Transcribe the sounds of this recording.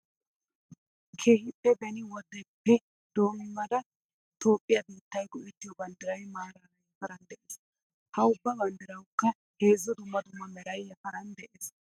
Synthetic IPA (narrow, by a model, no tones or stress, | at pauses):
kʰeːhɪpʼːɛbɛnɪwɔd̪ːɛpːɛ | d̪̥o̞ːmɪmːɐd̪ɐ | t̪o̞ːpʼːɪjɐbiːt̪ːɐjɡɔʔɛt̪ːɪjɔbɐnd̪ɪɾɐjmaːɾɐɾɐjɐfɐɾɐnd̪ɛʔeːs | hɐʊbːɐbɐnd̪ɪɾɐwkːɐ | heːzːɔd̪ʊmːɐd̪ʊmːɐmɛɾɐjɐfɐɾɐnd̪ɛʔeːs